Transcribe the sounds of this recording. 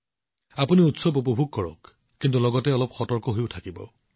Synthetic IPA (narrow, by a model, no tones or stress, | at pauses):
apuniutsɔbup̬ɔbʱuk̚kɔɹɔ̰kː | int̬ulɔɡɔtɛɔlɔpxɔtɔɹkɔɦojʊtʰakibɔ̰